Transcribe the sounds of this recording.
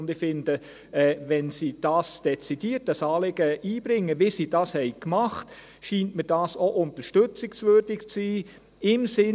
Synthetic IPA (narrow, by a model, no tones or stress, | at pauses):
ndɪfɪndə | ɛːʋɛnsiːd̥ɑːsd̥ɛt͡sid̥iətəsɑːlɪɡ̥əʔiːb̥ɾɪŋːəʋɪsiːd̥ɑːshɛɪkmɑχt | ʃiːntmid̥ɑːsoʔʊntəʃtʏt͡sɪksʋøɾdɪkt͡siː | ɪmsɪ